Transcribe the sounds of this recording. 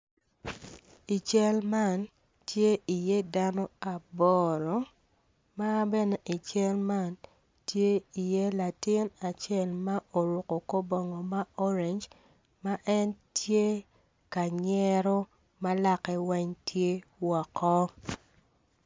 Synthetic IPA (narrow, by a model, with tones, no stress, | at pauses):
i˨t͡ʃɛ˦lma˦˨n | tje˦i˨je˦da˦nɔ˦a˨bɔ˨ɾɔ˨˦ | ma˦bɛ˦ne˦ʔi˨t͡ʃɛ˦lma˦˨n | tje˦i˨je˦la˨tɪ˦na˨t͡ʃjɛ˦˨lma˦ʔo˨ɾu˨ko˨ko˦bɔ˨ŋɔ˨ma˦o˦ɾe˨nd͡ʒ | ma˦ʔɛ˦ntje˦ | ka˨ɲɛ˦ɾo˦ | ma˦la˦kɛ˦wɛ˦ɲtje˦wɔ˨kɔ˦